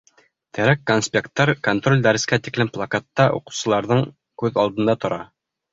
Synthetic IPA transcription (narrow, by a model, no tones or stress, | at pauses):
t̪ʰæ̆ɾækːonsʲpʲekt̪ːɑɾkont̪ro̞lʲd̪æɾɘ̆skæt̪iklɘmplˠakat̪ːɑʔṵqɤ̥̆wsɤ̆lˠɑɾðɤɴ | kʉðɑlˠd̪ɤ̆nd̪ɑt̪ŏɾɑ